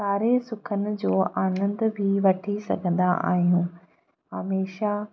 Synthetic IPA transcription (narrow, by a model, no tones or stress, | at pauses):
saːɾesʊkʰənɪ̆d͡ʑoːʔaːnə̃nd̪bʱɪʋɐʈʰisɐ̰ɡʱə̃nd̪aʔa̰ːɦijũː | ɦɐmeːʃa